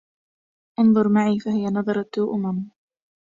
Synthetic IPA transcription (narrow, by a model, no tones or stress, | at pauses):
ʔʊnðˤʊɾˤmaʕiːfaɦɪjanɑðˤɑɾˤɑt̪ːuːʔʊmam